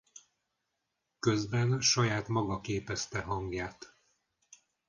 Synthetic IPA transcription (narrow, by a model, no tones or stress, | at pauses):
kø̞zbɛnʃɒjaːt̪mɒɡɒkeːpɛst̪ɛɦɒŋɡjaːt̪